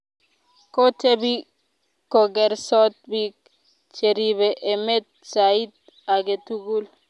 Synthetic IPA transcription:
kotebi | koɡɛɾsɔt̪̚bik | t͡ʃeɾiβeʔemet̪̚said̪̚ | aɡet̪uɡul

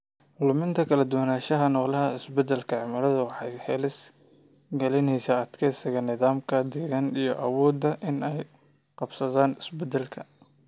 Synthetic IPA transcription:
ʊlʊmɪnt̪ʰɐkʰɐlɐd̪ʊwnaːʃɐɦɐnɔːlɐɦɐɪsbɛd̪ɐlkʰɐʕɪmɐɾɐðɐwɑħɑjhɛlɪs | ɡɐlɪnɛjsɐːd̪kʰɛsɪɣɐnɪðaːmkʰɐd̪ɛɣanijɞʔɐwɔːd̪ːɐʔɪnɛj | qɑbsɐðaːnɪsbɛd̪ɛlkʰɐ

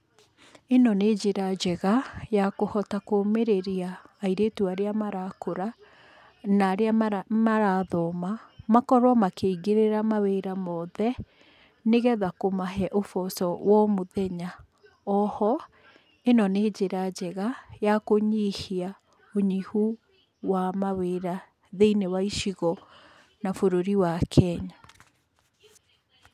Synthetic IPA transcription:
enɔned͡ʒeɾad͡ʑɛɣajakohɔtakomeɾeɾiaːiɾetuaɾeamaɾakoɾa | naːɾeamaɾaːðɔmamakɔɾwamakeiɡeɾeɾamaweɾamɔðɛ | neɣɛðakomaɦɛʔofɔsɔwɔmoðɛɲa | ɔhɔ | enɔneːd͡ʑeɾad͡ʑɛɣajakoɲihia | oɲihu | wamaweːɾa | ðeinewaiʃiɣɔ | nafoɾoɾiwakʰɛɲa

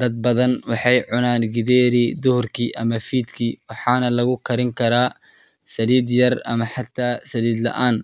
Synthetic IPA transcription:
d̪̥ɐd̪̚bɐðɐnwɑħɑjʕʊnaːnɡɪðɛːɾiːd̪ʊhʊrkʰiːʔɐmɐfiːd̪kʰiːwɑħɑːnɐlɐɣʊkʰɐɾɪŋkʰɐɾaː | sɐliːd̪jɐrɐmɐħɑt̪ʰaːsɐliːd̪lɐ̰ʔaːn

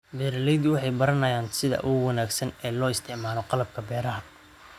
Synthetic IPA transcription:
bɛːɾɐlɛjd̪wɑħɑjbɐɾɐnɐjaːnsɪðɐ̰ʔʊɣʊwɑnaːɡsɐnɛːlɔːɪst̪ʰɪʕmaːlɔqɑlɐb̚kʰɐbɛːɾɐɦɐ

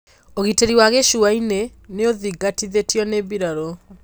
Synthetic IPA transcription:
oɣiteɾiwaɣeʃuaineneoðiɡatiðetjɔneβiɾaɾɔ

